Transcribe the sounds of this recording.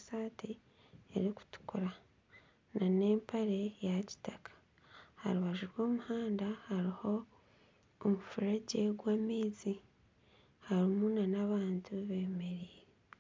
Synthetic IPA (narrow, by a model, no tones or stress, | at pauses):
saːti | eɾiku̥tu̥kuɾa | nane̞ːmpaɾe̞jaci̥takʰḁ | ha̰ɾuβaʒuɾwo̞ːmuhaːndahaɾiho̞ː | mufuɾaɟe̞ɡwaːmiːzi | haɾimunanaβaːntuβe̞ːme̞ɾiːɾe